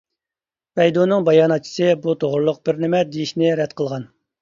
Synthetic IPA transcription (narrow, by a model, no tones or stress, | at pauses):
vɛjd̪unɨŋbɑjɑːnɑt̪̚t͡ʃʰi̥sɨbut̪ʰoʁɾlˠʊq̚bɪɾnɪmɛd̪ejiʃnɪɾɛt̪qʰəlˠʁɑn